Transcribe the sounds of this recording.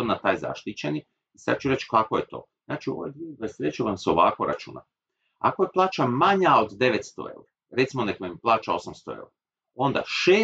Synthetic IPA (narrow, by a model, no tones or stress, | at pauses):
d̪nat̪aːjza̰ʃt̪it͡ɕeni | isa̰d̪̚t͡ʃuɾet͡ʃkakojet̪o̞̰ | znaːt͡ʃiuo̞ʋojd̪uɡikajsɾet͡ʃuʋamseo̞ʋa̰ːkoɾa̰t͡ʃṵːna̰ | a̰kojeplˠaːt͡ʃamaɲao̞d̪d̪e̞ʋe̞t̪st̪o̰ḛuɾa | ɾet̪simo̞nekoimplˠaːt͡ʃao̞samst̪o̞ḛuɾo | o̞nd̪a̰ʃeː